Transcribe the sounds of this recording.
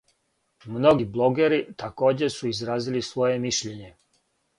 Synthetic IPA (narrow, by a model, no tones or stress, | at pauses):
mno̞ɡiblˠo̞ɡeɾit̪ako̞ːd͡ʑesuizɾaːzilisʋo̞je̞miʃʎe̞ɲe̞